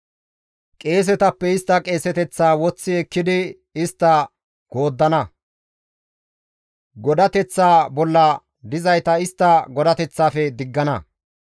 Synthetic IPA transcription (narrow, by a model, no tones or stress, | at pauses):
kʼe̞ːs̬ɛt̪ɐpːɛɪst̪ːɐkʼe̞ːsɛt̪ɛt͡sːaːwɔt͡sːɪɛkːɪd̪ɪ | ɪst̪ːɐ | ɡ̥o̞ːd̪ːɐnɐ | ɡɔd̪ɐt̪ɛt͡sːaːbɔlːɐ | d̪ɪzɐjt̪ɐɪst̪ːɐɡɔd̪ɐt̪ɛt͡sːaːfɛd̪ɪɡːɐnɐ